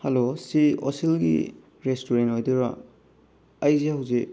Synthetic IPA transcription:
hɐlosio̰silɡḭ | ɾestoɾentojdeɾa̰ | ɐjzeɦawze

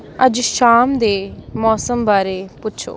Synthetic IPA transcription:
əd͡ʒʃaːmd̪eːmɔːsəmbaːɾeːpʊtːʃʰo̰ː

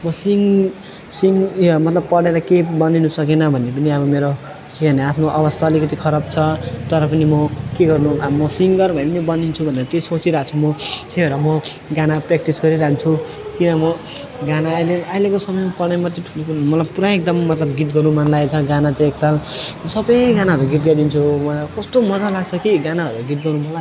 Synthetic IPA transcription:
mʌsiŋ | siŋjmʌt̪lʌb̚pʌɽeɾʌkebʌndinusʌkenʌbʱʌnːep̬ʌniʌbʌmeɾo | keɡʱʌneapʰnoʔʌβʌst̪ʰaʌlikʌt̪ikʰʌɾʌbt͡sʰʌt̪ʌɾʌpʌnimʌkeɡʌrnuamʌsiŋɡʌrbʱʌnepʌnibʌndint͡sʰubʱʌneɾʌt̪esot͡siɾʌɦat͡sʰumʌt̪ebʱeɾʌmʌ | ɡanaprekʈisɡʌɾiɾaɦnt͡sʰu | kinʌmʌ | ɡanaːjleajlekosʌmʌjmapʌɽ̃najmʌt̪ːeʈʰulomʌlapuɾãek̚d̪ʌmːʌt̪lʌbɡiʈɡʌnumanlajt͡sʰʌɡanat͡sãek̚t̪alʌsʌbʌjɡanaɦʌɾuɡiʈ̚ɡʌd̪int͡sʰumʌkʌsʈomʌd͡zalaɡt͡sʰʌkiɡanaɦʌɾuɡiʈ̚ɡʌnumanla

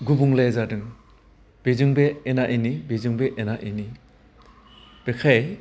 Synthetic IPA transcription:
ɡubuŋlejzadɯŋ | b̥ezɯŋbeːnaʔinibezɯŋbeʔenaʔini | b̥ekʰaj

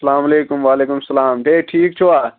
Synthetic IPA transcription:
sɐlaːmɐleːkumwaːleːkumsɐlaːmɖeːʈʰiːk̚t͡ʃʰowaː

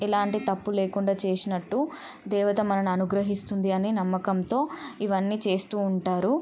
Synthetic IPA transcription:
ilaːɳʈit̪ɐpːule̞ːkuɳɖaːt͡ʃe̞ːsinɐʈːu | d̪ɛːʋɐt̪ɐmɐnɐnuɐnuɡɾɐɦist̪und̪iɐniːnɐmːɐkɐmt̪o̞ːiʋɐnːiːt͡ʃe̞ːst̪uːɳʈaːɾu

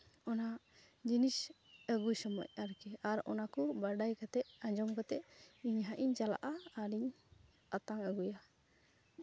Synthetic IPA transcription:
ɔna | d͡ʒinis | əɡujsɔmɔ̰c̚ˀaɾkɛaɾɔ̰nakubaɖajkat̪ɛʔaɲd͡ʒɔmkat̪ɛʔiɲɦaʔiɲt͡ʃala̰ʔaːɾiɲ | at̪aŋəɡuja

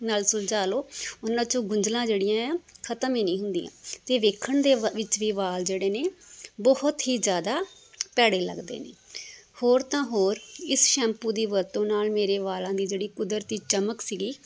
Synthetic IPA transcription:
naːlsʊld͡ʒaːloːʊnãːt͡ʃõːɡʊɲd͡ʒlãːd͡ʒeːɽɪjãːkʰət̪əmẽːnĩːɦʊnd̪ḭːã̰ːt̪eːʋeːkʰːəɳd̪eːʋɪt͡ʃʋiːʋaːld͡ʒeːɽeːneːbɔhʊt̪ɦiːd͡ʒjaːd̪aː | pɛːɽeːlə̰ɡd̪ḛːnḛːhoːɾt̪ãːɦoːɾɪsʃɛ̃ːmpuːd̪iːʋəɾt̪õːnaːlmeːɾeːʋaːlãːd̪iːd͡ʒeːɽiːkʊd̪əɾt̪iːt͡ʃəməksiːɡiː

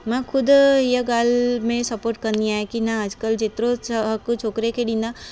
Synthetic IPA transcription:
mãkʰʊd̪ɦijəɡaːlmẽsɐpoːɾʈ̚kɐɾnd̪iaːɦekinaəd͡ʒkəld͡ʒet̪ɾõsɦɐkt͡ʃʰoːkɾekʰeɗĩːnd̪a

